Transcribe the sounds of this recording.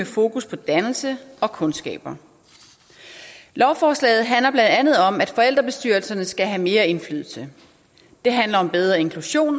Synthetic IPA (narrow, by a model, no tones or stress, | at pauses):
efo̝ːkʰuspʰɒ̽d̥ænl̩səɒ̽kʰɔ̽nsɡ̥ɛ̰ːb̥ɐ | lɒʊfɒːslɛ̰ɪð̩ˠɦænlɐb̥lænd̥ænð̞̩ˠɒ̽mæd̥fɒ̽el̰d̥ʁɐb̥e̝sd̥yɐl̩sɐnəsɡ̥æɦæme̝ːɐe̝nfly̰ːðˠl̩sə | d̥e̝ɦænlɐɒ̽mb̥eð̞ˠʁɐe̝nkʰluɕo̝̰ːn